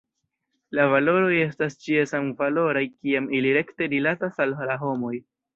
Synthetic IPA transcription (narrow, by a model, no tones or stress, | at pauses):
lavalo̞ɾo̞je̞stast͡ʃiesamvalo̞ɾajkiamiliɾe̞kte̞ɾilatasallaɦo̞mo̞j